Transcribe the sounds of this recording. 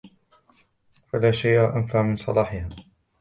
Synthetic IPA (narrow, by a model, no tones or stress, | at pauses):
falaːʃajʔaʔanfaʕmɪnsˤɑlɑːħɪhaː